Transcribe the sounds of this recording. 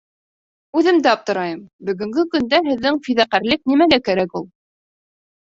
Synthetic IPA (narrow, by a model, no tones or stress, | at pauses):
ʉðɘmd̪ɘɑp̚t̪ɤ̆ɾɑjɤmbɵ̆ɡɵ̆ŋɡɘkɵ̆nd̪æɦɘ̆ðːɘŋfiðæqæɾlɘk̚nimæɡækæɾækulˠ